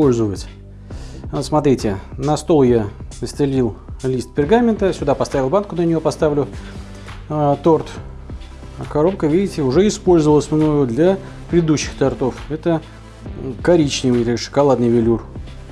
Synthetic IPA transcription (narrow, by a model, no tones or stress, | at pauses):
polʲzəvətʲ | smɐt̪ɾʲitʲɪnɐst̪o̞lˠjaəsʲt̪ɪlʲilˠlʲist̪̚pʲɪrɡamʲɪnt̪əsʲʊd̪apɐst̪avʲɪlˠbankʊnənʲɪjopɐst̪avlʲʊ | t̪o̞rt̪ | kɐɾo̞pkəvʲidʲɪtʲɪʊʐɛɪspo̞lʲzəvəlˠəsʲmno̞jʊd̪lʲa | pɾʲɪd̪ɪd̪uɕːɪ̥xt̪ɐrt̪o̞fɛt̪ə | kɐɾʲit͡ɕnʲɪvɨjʲʂɨ̥kɐlˠad̪nɨjvʲɪlʲur